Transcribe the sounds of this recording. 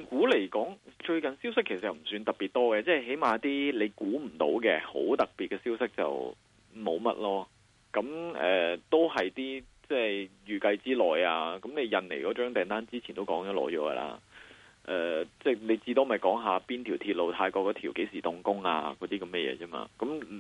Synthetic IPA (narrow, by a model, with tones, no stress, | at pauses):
kuː˨˥le˨˩jkɔː˨˥ŋt͡ʃɵ˧ɥkɐ˨nsiː˥wsɪ˥kʰːe˨˩sɐ˨tjɐ˨˩m̩˨˩syː˧nt̪ɐ˨k̚piː˨t̪̚ɔː˥ɡɛ˧t͡sɛː˥˨˩ɦe˨˥jmaː˨˥t̪iː˥le˨˧jkuː˨˥m̩˨˩t̪o̰˨˥wkɛ˧ho̰˨˥wt̪ɐ˨k̚piː˨t̚kːɛ˧siː˥wsɪ˥k̚t͡sɐ̰˨w | mo˨˧wmɐ̰˥t̚lɔː˥ | kɐ˨˥mɛ̰ː˨t̪o˥whɐ˨jt̪iː˥ | t͡sɛː˥˩jyː˨˩kɐ˧jt͡siː˥lɔː˨˩jaː˧kɐ˨˦˥mne˨˧jjɐ˨nle˨˩jkɔː˨˥t͡ʃœː˥ŋt̪ɛː˨˩nt̪aː˥nt͡siː˥t͡ɕʰi˨˩nt̪o˥wkɔː˨˥ŋt͡ʃɔː˨˥lɔ̰ː˨˥jɔ̰ː˨˥ɡɐ̰˧lʔa̰ː˧ | ʔɛː˨t͡sɛː˥˩ne˨˧jt͡siː˧t̪o˥wmɐ˨jkɔː˨˥ŋɦaː˨˧piː˥nt̪ʰiː˨˩wt̪ʰiː˧t̚lo˨wt̪ʰaː˧jkɔː˧kːɔː˨˥t̪ʰiː˨˩wke˨˥jsiː˨˩t̪ʊ˨˧ŋkʊ˥ŋa̰ː˧kɔː˨˧t̪iː˥kɐ˨˧˦mɛ˥˩jɛ̰ː˨˧t͡sɛː˥ma̰ː˧kɐ˨˦˥m